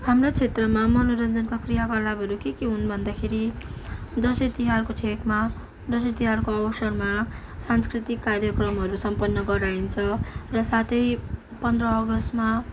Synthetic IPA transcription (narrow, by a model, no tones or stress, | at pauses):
hamrat͡sʰet̪rʌmamʌnoɾʌnd͡zʌnkakrijakalabʱʌɾukekiɦunbʱʌnd̪akʰeɾi | d͡zʌsit̪iɦarkoʈʰekma | d͡zʌsit̪iɦarkoʌwsʌrma | sanskrit̪ikːarjʌkrʌmɦʌɾusʌmpʌnːʌɡʌɾaint͡sʰʌrʌsat̪ʌj | pʌnd̪ʱrʌːɡʌst̪ma